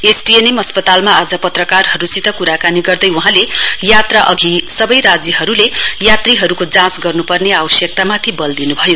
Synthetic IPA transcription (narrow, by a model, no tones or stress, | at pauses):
esʈienemʌspʌt̪almaːd͡zʌpʌt̪rʌkarɦʌɾut͡sit̪ʌkuɾakaniɡʌrd̪ʌjuɦãlejat̪raʔʌɡʱisʌbʌjɾad͡zjʌɦʌɾulejat̪riɦʌɾukod͡zãsɡʌrnupʌrneawʌsjʌk̚t̪amat̪ʰibʌld̪inubʱʌjo